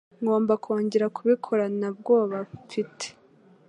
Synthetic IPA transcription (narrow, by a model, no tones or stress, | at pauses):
ŋɡoːmbakʰo̞ːɲɟe̞ɾakʰuβikʰo̞ɾanabɡoːβaβfite̥